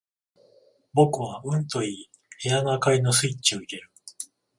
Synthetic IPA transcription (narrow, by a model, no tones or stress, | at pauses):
bo̞kɯ̟βaɯ̟̃nt̪o̞iː | he̞janakaino̞sɨit͡ɕio̞ikʲe̞ɾɯ̟